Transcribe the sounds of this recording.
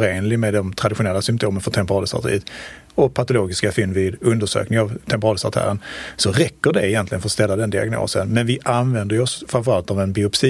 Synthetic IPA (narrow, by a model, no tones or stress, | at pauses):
ɾeːnlɪmed̪ɔmt̪ʰɾad̪ɪɧʊnɛlːasʏmpt̪ʰoːmənfœʈʰɛmpəɾɑːd̪əsa̰t̪əɾḭːət̪ | ɔpʰat̪ʊloːɡɪskafʏnːvɪd̪ɵnd̪əʂø̰ːknɪŋavt̪ʰɛmpəɾɑːd̪əsa̰t̪ʰæ̰ːɾənsɔɾɛkːəɖɛɪjɛnt̪lɪɡənfœɾɔst̪ɛlːad̪ɛnd̪ɪa̰ɡno̰ːsənmɛnvɪʔanvɛnd̪əjɔsfɾanfœɾalt̪avɛnbɪʊpsi